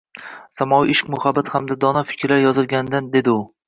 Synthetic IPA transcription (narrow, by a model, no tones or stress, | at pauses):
samɒwiʔɪʃkʲmʊhabːat̪hamd̪ad̪ɒnafɪ̥kʲɾlaɾjɒzɪlˠɡʲand̪and̪e̞d̪ɪʊ